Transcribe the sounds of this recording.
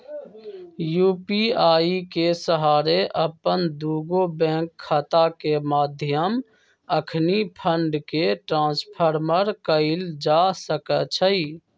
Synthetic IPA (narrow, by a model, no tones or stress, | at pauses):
juːpiaːikesəɦaːɾeʔəpənd̪uːɡobɛ̃ːkʰːat̪akemaːd̪ʱjəm | əkʰnipʰəɳɖkeʈɾãːspʰəɾməɾkəɪld͡ʒasəkət͡ʃʰəi